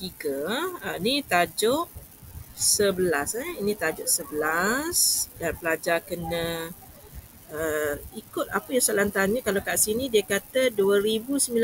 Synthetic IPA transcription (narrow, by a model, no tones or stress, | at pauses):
t̪iɡəəinit̪ad͡ʒʊʔ | səbəlasəinĩt̪ad͡ʒʊʔsəbəlasdanpəlad͡ʒakənə̃ | əikʊt̪̚apəjaŋsalant̪aɲə̃kalakaʔsinĩdiəkat̪əduəɾibusəmila